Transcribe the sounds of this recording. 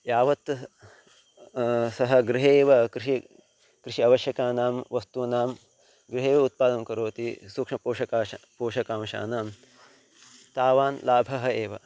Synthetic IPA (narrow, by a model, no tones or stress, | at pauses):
jaːʋɐt̪ | sɐɦɐ̆ɡɾɪɦeːʋɐkɾɪʃi | kɾiʃiɐʋɐʃjɐkaːnaːmʋɐst̪unaːm | ɡɾɪɦeːʋɐut̪̚paːd̪ɐmkɐɾoːt̪isuːkʂmɐpoːʃɐkaːpoːʃɐkaːmʃa̰ːnaːm | t̪aːʋaːnlaːbʱɐɦɐeːʋɐ